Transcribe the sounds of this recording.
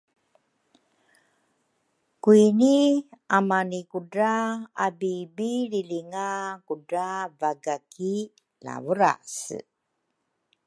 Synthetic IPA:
kuiniamanikuɖaabibililiŋakudavaɡaki | la̰vuɾa̰s

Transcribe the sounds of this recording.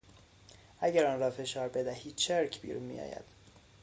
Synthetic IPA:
ʔæɟæɾɒːnɾɒːfe̞ʃɒːɾbe̞d̪æhiːd̪̥̚t͡ʃʰeɾcʰbḭːɾunmḭjɒ̰ːjæ̰d̪̥

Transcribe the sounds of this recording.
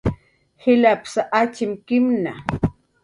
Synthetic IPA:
hɪlapsaʔat͡ʃɪmkɪmna

